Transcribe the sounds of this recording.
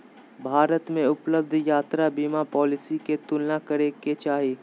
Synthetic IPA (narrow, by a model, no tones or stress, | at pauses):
bʱaːɾət̪mẽʊpləb̚d̪ʱjaːt̪ɾabiːmapɔːlɪsiket̪ʊlnakɐɾeket͡ʃaːɦiː